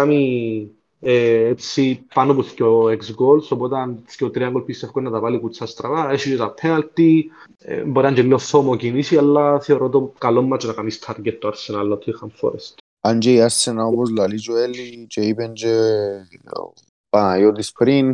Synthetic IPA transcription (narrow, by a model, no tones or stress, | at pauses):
ami | eesipanopuscoeksɡolsopot̪ɐnscot̪ɾiɐŋɡolpisefkonːɐt̪ɐvalikut͡sːɐst̪ɾɐvaesit͡ʃet̪ɐpʰːenɐlt̪ḭ | boɾiɐɲd͡ʒelːioθomocinisialːɐθeoɾot̪okalomːɐt͡ʃonɐkamist̪ʰɐɾɡet̪ːoɐɾsenalnot̪ʰːixɐɱfo̰ɾḛst̪ | and͡ʒeiaɾsenaopozlalit͡ʃuelːit͡ʃeipend͡ʒe | panajot̪ispɾin